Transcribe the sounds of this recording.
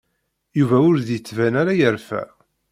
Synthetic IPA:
juvæʊɾðjət͡sːvænaɾajəɾfæ̰

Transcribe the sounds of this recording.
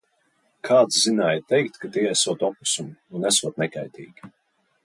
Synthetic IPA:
kʰaːt̪szinaːjt̪ɛjkt̪kat̪iɛɛsuɔt̪ɔpu̥sumunɛsuɔt̪̚nɛka̰jt̪ḭːɡʲi

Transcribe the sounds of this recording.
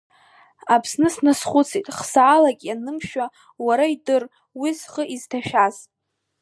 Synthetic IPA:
apʰsnɨsnasχʷʊt͡sʰejtʼχsaːlakʲʼanɨmʃᶣa | waɾaidɨr | wizχəʔiztʰaʃᶣaz

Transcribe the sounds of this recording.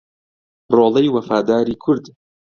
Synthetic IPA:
roːlejwɐfaːd̪aːɾiːkʰʊɾd̪

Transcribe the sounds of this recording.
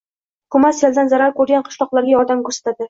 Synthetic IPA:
kumɑsjeld̪ænzaɾaɾkʉɾɡʲænqʰŏ̥ʃlˠɒqlˠɑɾɡʲajɒɾd̪ɑmkʉɾsḁt̪ad̪ɘ

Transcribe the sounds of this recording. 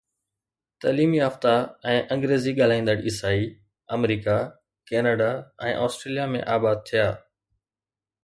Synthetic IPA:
t̪ɐːliːmiaːft̪aɛ̃ːʔɐ̃ŋɡɾeːziɠaːl̤aːĩːn̆d̪əɽɪsaːi | ɐmɾiːka | keːnəɖaɛ̃ːʔɔːsʈɾeːlijamẽʔaːbaːd̪̚t̪ʰijaː

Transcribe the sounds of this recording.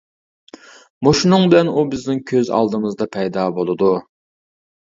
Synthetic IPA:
moʃunɨŋbɪlɛnubɪznɪŋkʲʰøzɑ̰lˠd̪ɨmɨzd̪ɑpʰɛjd̪ɑːbolˠɨd̪u

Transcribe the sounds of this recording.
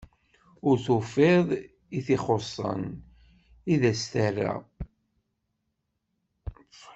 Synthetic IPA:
ʊɾθufɪðˤ | iθiχosˤːə̰n | iðæst̪ærːa̰

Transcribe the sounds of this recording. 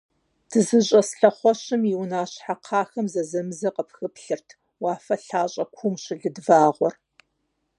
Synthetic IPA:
d̥ɨzɨɕʼɐsɬɐχʷɔɕɨmjɪwnaːɕħaqʰɑːxɐmzɐzɐmɨzɐqəpxɨpɬɨrtʰ | wɑːfɐɬaːɕʼɐkʷʰumʃɪɮɨdvaːʁʷɔr

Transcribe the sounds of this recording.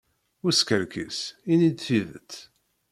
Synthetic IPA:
ʊskəɾkisinid̪θiðə̰t͡s̪

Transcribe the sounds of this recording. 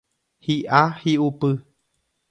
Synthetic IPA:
hiʔahiʔupɨ

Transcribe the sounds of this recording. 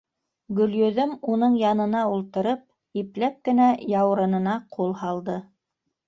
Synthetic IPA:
ɡɵ̆ljɵ̆ðɵmunɤɴjɑnɤ̆nɑulˠt̪ɤ̆ɾɤp̚ | iplæp̚kɘ̆næjɑwɾɤ̆nɤ̆nɑqulˠhɑlˠd̪ɤ

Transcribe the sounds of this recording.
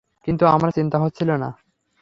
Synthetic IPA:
kint̪uamɾat͡ɕint̪aɦot̪ːɕʰilona̰

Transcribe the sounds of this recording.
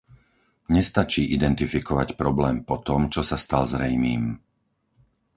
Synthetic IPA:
ɲɛst̪at͡ʃiːʔid̪ɛnt̪ifikɔʋacpɾɔblɛːmpɔt̪ɔmt͡ʃɔsast̪alzɾɛjmiːm

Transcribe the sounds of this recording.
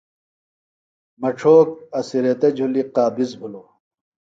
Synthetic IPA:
mɐʈ͡ʂʰoːk̚ɐsiɾet̪ed͡ʑʱuliqaːbizbʱuloː

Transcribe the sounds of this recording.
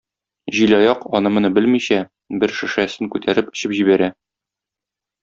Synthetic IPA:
ʑilɒjɑqɒnɤmɤ̆nɤbɘlmiɕæ | bɘɾʃɘ̆ʃæsɘŋkʉt̪ʰæɾɘpɘ̥̆ɕɘpʑiβæɾæ

